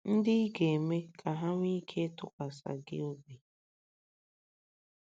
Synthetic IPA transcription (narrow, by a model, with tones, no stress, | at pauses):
n̩˦dɪ˦ɡe˨me˦kʰa˨ɦa˦ŋʷ˦i˦kʰe˦tʊ˦ka˨sa̰˨ɡɪ̰˦o˦bi˨